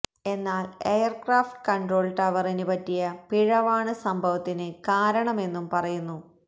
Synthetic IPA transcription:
e̞nːaːle̞jɐrkraːfʈkɐɳro̞ːlʈɐʋɐrinɨbɐtːijɐpiɻɐʋaːɳɨsɐmbʱɐʋɐt̪ːinɨkaːɾɐɳɐme̞nːumpɐrɐjunːu

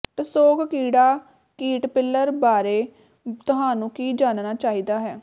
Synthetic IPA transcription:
t̪əsoːkkiːɽaː | kiːʈpɪlːəɾbaːɾeː | t̪ʊɦãːnũːkiːd͡ʒaːnnaːt͡ʃaːiːd̪aːɦɛː

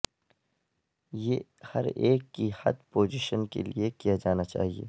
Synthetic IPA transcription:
jeː | hɐ̰ɾeːkːihɐ̰d̪poːzɪʃənkḛliekijad͡ʒaːnat͡ʃa̰ːɦiḛː

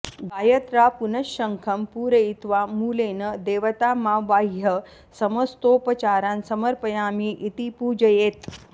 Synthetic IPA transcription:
ɡaːjət̪ɾapunəɕəŋkʰɐmpuːɾəit̪ʋamuːleːnəd̪eːʋət̪amaʋaɦjə | sɐməst̪opət͡ɕaːɾansɐməɾpəjamiːʔit̪ipuːd͡ʒəjeːt̪

